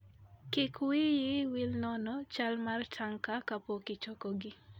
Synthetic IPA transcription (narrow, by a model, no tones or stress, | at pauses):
kɪkwijɪwilnɔnɔt͡ʃalmartʰaŋkakapokɪt͡ʃɔkɔɡɪ